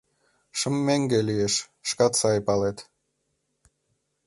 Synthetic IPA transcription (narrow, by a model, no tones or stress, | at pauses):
ʃəmːeŋɡelijeʃ | ʃkɑt̪sɑjpɑlet̪